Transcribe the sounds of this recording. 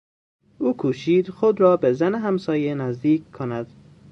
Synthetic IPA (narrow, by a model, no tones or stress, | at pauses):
uːkʰuːʃiːd̪xod̪ɾɒːbezæneɦæmsɒːjenæzd̪iːkʰkʰːonæd̪̥